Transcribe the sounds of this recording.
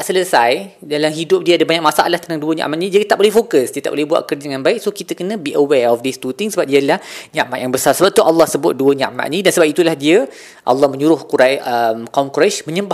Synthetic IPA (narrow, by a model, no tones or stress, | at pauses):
t̪aʔsələsaj | dalamɦidʊp̚diəadəbaɲak̚masaʔa̰laht̪ənt̪aŋduəɲa̰ʔmaʔ̪nĩd͡ʒait̪aʔbolɛhfokəsdiət̪aʔbolɛhbua̰ʔ̪̚kərd͡ʒdəŋãnbaɪk̚sokit̪əkənə̃biʔəwɛɔfdist̪ut̪iŋsəbap̚diəadəlahɲãʔmaʔ̪jaŋbəsarsəbap̚t̪ualːɑhsəbʊt̪̚duəɲaʔma̰ʔ̪̚nĩdansəbap̚it̪ulahdiə | ʔɑ̰lːɑhmə̃ɲuɾʊhkuɾajəmkaʊŋkuɾaʃmə̃ɲəba